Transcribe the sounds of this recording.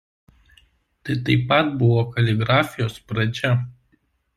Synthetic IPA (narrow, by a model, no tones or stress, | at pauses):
t̪ɐɪt̪ɐɪpɐt̪bʊʋoːkɐlʲɪɡɾɑːfʲɪjoːspɾɐd͡ʒʲɛ